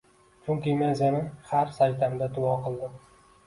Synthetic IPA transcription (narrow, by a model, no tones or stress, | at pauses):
t͡ʃʰʊŋkʲɪmazʲanɪhaɾsajt̪ʰamd̪at̪ʰʊwɒqʰɨlˠd̪ɪm